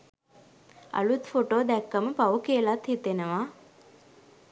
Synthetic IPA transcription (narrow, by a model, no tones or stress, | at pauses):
a̰lut̪foʈoːd̪ɛkːaməpaʋəkeəlat̪hit̪enəʋaː